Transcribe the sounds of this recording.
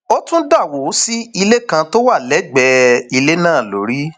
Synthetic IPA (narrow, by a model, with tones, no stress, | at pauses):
o˦tũ˦da˦˨wo˨˦si˦i˧le˦kã˧to˦wa˦˨lɛ˨˦ɡ͡bɛ˧i˧le˦nãː˦˨lo̰˨˦ɾi˦